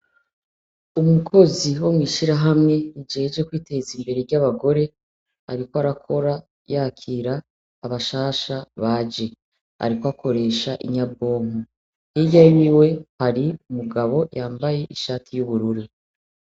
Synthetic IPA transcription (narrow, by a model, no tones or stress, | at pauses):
umukʰo̞ziwo̞mŋiːʃiɾaɦamŋe̞id͡ʒed͡ʒe̞kwiːte̞zimbe̞ɾeɾɟaβaɡo̞ɾe̞ | a̰ɾikoaɾakʰo̞ɾa | jakʰiɾaː | βaʃaːʃaβaːd͡ʒe̞ | a̰ɾikwakʰo̞ɾe̞ːʃaʔḭɲabbo̞ːŋu | hijawiwe̞haɾiumuɡaβo̞jaːmbaje̞ʔiʃaːtʰijuβuɾuɾi